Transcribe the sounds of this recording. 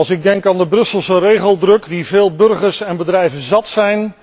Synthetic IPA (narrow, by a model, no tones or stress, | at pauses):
lˠsɪɡ̚dɛŋkaːndəbrɵsəlˠsərejχəlˠdrɵkdiveːlˠbɵɹχəɹsɛnbədrɛjvənzɑtsɛjn